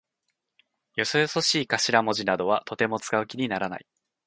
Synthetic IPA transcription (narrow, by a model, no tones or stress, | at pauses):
jo̞sojoso̞ɕiːkaɕiɾamo̞ʑinad̪o̞βat̪o̞t̪e̞mo̞t͡sɨ̥kaɯ̟kʲiɲ̟inaɾana̰i